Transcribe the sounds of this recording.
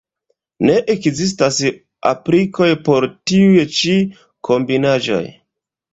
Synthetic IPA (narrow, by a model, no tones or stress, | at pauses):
ne̞ʔekzis̬tas | a̰pɾiko̞jpo̞ɾtiujt͡ʃi | kʰo̞mbinad͡ʒo̞̰j